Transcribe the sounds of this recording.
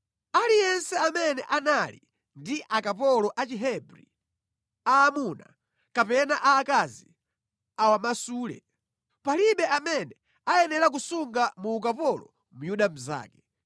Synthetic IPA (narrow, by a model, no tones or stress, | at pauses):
alijɛnsɛamɛnɛʔanalḭ | ndiʔakapɔlɔʔat͡ʃiɦɛbɾḭ | aːmuna̰ | kapɛnaʔaːkazi | awamasuːlɛ̰ | paliɓɛʔamɛnɛ | ajɛnɛɾak̬usuŋɡamuːkapɔlɔ̰ | mujuɗam̩za̰ːkɛ̥